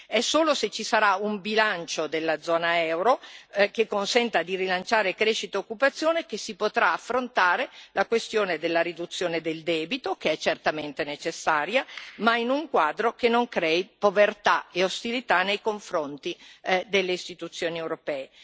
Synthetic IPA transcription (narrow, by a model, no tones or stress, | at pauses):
ɛsoːloset͡ʃːisaɾaumbilant͡ʃod̪elːad̪zɔːnaɛwɾokekːonsɛnt̪ad̪irilant͡ʃaːɾekɾeʃit̪aokːupat̪sːjoːnekesipot̪ɾaːfːɾont̪aːɾelakwest̪joːned̪elːaɾid̪ut̪sːjoːned̪eld̪ɛːbit̪okeɛt͡ʃːert̪ament̪enet͡ʃesːaːɾjamainuŋkwaːd̪ɾokenːoŋkɾɛːipovert̪aeost̪ilit̪anejkoɱfɾont̪id̪elːeist̪it̪ut̪sːjoːniewɾopɛːe